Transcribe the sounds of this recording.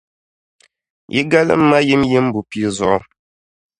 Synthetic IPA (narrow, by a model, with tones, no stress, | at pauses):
jʔḭ˦ɡa˦lɨ̰˦m̩˦ma˦ji˦mji˦m˦bu˨pi˨i˨zɔ˨ʔɔ̰˦